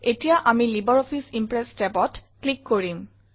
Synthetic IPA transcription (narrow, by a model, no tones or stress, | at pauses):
etijaʔamilibɔɹɔpʰisimpɹɛstɛbɔtklikːoɹim